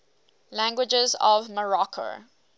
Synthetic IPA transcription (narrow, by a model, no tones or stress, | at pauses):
læ̃ŋɡwɪd͡ʒəzɔ̰vməɹɔkʰo̰